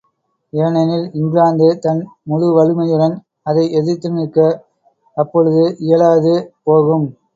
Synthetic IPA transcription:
eːɳɐnɪlɪŋɡɪlaːnd̪ɯt̪ɐnmʊɻɯʋɐɻɯmɐjɯɽɐn | ɐðɐɪɛðɯt̪ːɯnɯkːɐ | ɐpːɔɻɯðɯʔɪjɐɭaːðɯpoːɣɯm

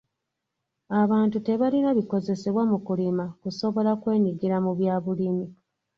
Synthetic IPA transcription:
aβaːntute̞βalinaβiko̞ze̞se̞βwamukulimakuso̞βo̞lakwe̞ːɲiɡiɾamuβjaːβulimi

